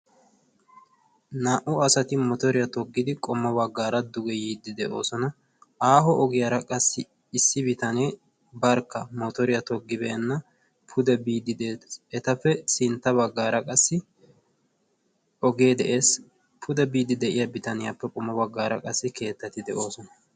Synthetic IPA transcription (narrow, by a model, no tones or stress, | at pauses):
naːʔʊɐsɐt̪ɪmɔt̪ɔɾɪjɐt̪ɔɡːɪd̪ɪkʼɔmːɐbɐɡːaːɾɐd̪ʊɡɛjiːd̪ːɪd̪ɛʔo̞̰ːsɔnɐ | aːɦɔʔɔɡɪjɐɾɐkʼɐsːɪ | ɪsːɪbɪt̪ɐneː | bɐɾkːɐmɔt̪ɔɾɪjɐt̪ɔɡːɪbeːnːɐ | pʰʊd̪ɛbiːd̪ɪd̪eːɛt̪ɐfːɛsɪnt̪ːɐβɐɡːaːɾɐkʼɐsːɪ | ɔɡed̪ɛʔe̞ːs | pʰʊd̪ɛbiːd̪ːɪd̪ɛʔɪjɐbɪt̪ɐnɪjɐpːɛkʼɔmːɐbɐɡːaːɾɐ̰kʼɐsːɪke̞ːt̪ːɐt̪ɪd̪ɛʔo̞ːsɔnɐ